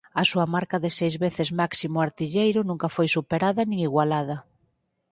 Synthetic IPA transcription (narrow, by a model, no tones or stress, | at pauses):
ɐsuɐmaɾkɐðɪsejzβeθɪzmaksimʊaɾt̪iʎejɾʊnũŋkɐfojsupeɾaðɐnĩŋiɣwalað̞ɐ